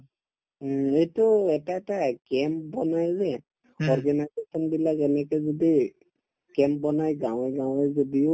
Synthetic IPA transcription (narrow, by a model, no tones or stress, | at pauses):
etʊɛtaɛtakɛmp̚bɔnajzɛ | ɔɹɡanajzesɔnbilakɛnɛkɛzodi | kɛmp̚bɔnajɡãw̃ɛɡãw̃ɛzodio